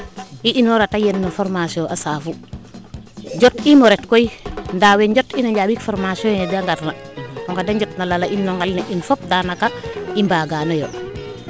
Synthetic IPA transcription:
iʔinɔɾatajenːofoɾmasiõʔasaːfu | ɟotimoɾɛtkoindaːweɲɟotinaɲɟaːbikfoɾmasɔndaŋɡatnaɔŋkadaɲɟɔtnalalainːɔŋɡalnaʔinfop̚daːnakaimbaːɡanojo̰

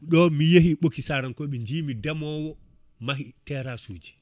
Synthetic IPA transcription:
ɗɔmijeɦiɓokːisaɾankɔɓɛɲd͡ʒiːmidamɔwɔ | maɦitɛɾasuːd͡ʒi̥

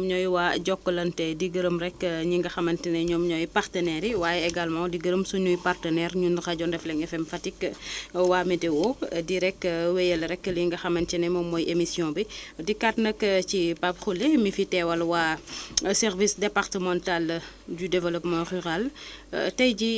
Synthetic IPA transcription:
mɲɔjwaːɟɔkːəlɐntɛdiɡəɾəmɾɛkːɲiŋɡɐxɐmɐntinɛɲɔmɲɔjpartənɛɾiwaːjɛɛɡalmãdiɡəɾəmsuɲujpartənɛɾɲundxɐɟɔndɛflɛŋɛfɛmfɐtikːwaːmidɛwɔdiɾɛkːəwɛjəlɾɛkːəliŋɡɐxɐmɐntinɛmɔmːɔjemisjɔ̃bidikatnɐkːəcipapxulɛmifitɛːwɐlwaːsɛrvisdɛpartəmɔ̃ntal | ɟudɛvɛlɔpmɔryʁal̰tɐjɟi

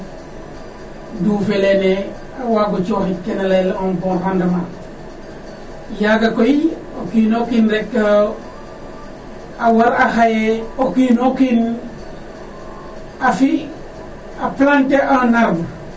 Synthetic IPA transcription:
dufelene | awaɡut͡ʃoːxitkenalelonbonhandama | jaɡakoi | okinokinɾekːo | awaɾaxajeokiːnokin | afi | aplanteʔonaɾm

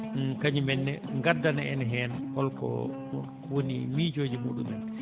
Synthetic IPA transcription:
kaɲimɛnːɛŋɡadːanaɛnɦɛːnhɔlkɔ̰ | wonimid͡ʒoːd͡ʒimuɗumɛn

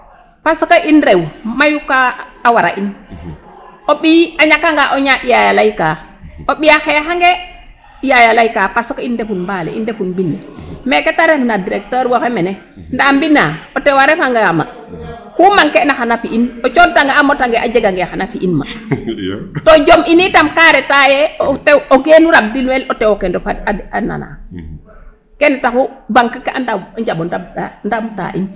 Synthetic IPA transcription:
pasɔkaʔinɾewmajukaːwaɾa̰ʔin | oɓiaɲakaŋɡaʔɔɲaɓijajalajkaoɓijaxɛxaŋɡɛ | jajalajkapasɔkaindefunmbalɛ̰ḭndefunbinːɛmɛkɛtaɾefnadiɾɛk̚tɔɾwafɛmɛnɛ | ndaːmbinːaɔtɛwaɾɛfaŋɡama̰ | kumaŋkɛnaxanafiʔinɔt͡ʃotaŋɡaamotaŋɡeʔad͡ʒeɡaŋɡexanafiʔinma̰ | tɔd͡ʒominitamkaɾɛtajɛotɛwoɡenuɾab̚dilwɛlotɛwokɛndɔfaaana̰na̰ | kɛnɛtakubaŋkakaʔandaɲd͡ʒaɓɔndabtandamta̰ʔḭn

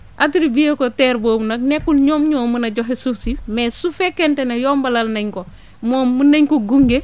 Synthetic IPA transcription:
ʔatiɾibijekoteɾboːbnɐknekːulɲoːmɲoːmunɐɟoɦesufsimesufekentenejoːmbalalnɐɲko | moːmːunɐɲkoɡuŋɡe

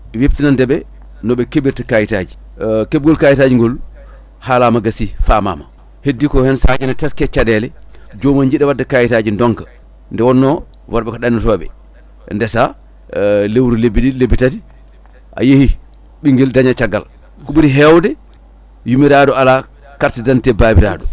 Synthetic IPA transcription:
weftinandɛɓɛ | nɔɓɛkebiɾtakajitaːd͡ʒi | keb̚ɡɔlkajitad͡ʒiŋɡɔl | halamaɡasifaːma̰ma | hedːikɔhɛnsaɲanɛtaskɛt͡ʃadɛlɛd͡ʒomaɲd͡ʒiɗɛwadːakajitaːd͡ʒindɔŋkḁ | ndɛwɔnːɔ | waɾɓɛkɔɗanːɛtɔɓɛ̰ | ndɛsa | lewɾulebidilebitati | ʔa̰jehi | ɓiŋɡɛldaɲat͡ʃaɡːa̰l | kuɓiɾiɦɛwdɛ | jumiɾadɔala | kaɾtidantɛbaːbiɾa̰ːdɔ

